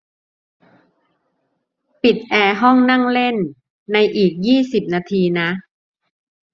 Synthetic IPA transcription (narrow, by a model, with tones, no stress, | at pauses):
pi˨˩t̪̚ʔɛː˧ɦɔ˥˩ŋna˥˩ŋle˥˩nː | a˧jʔiː˨˩k̚jiː˥˩si˨˩p̚naː˧t̪ʰiː˧na˦˥